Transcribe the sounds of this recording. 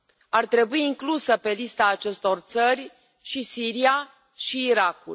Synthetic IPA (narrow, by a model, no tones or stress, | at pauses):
art̪ɾe̞buiːŋklusəpe̞list̪aːt͡ʃe̞st̪o̞rt̪sərʲ | ʃisiɾia | ʃiːɾakṵl